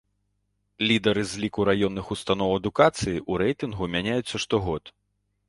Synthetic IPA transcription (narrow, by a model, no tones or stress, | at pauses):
lʲid̪ɐɾɨzʲlʲikuɾajɔnːɨxust̪anɔwɐd̪ukat̪sɨjiʔuɾɛjt̪ɨnɣumʲanʲajut͡ssːɐʂt̪ɔɣɔt̪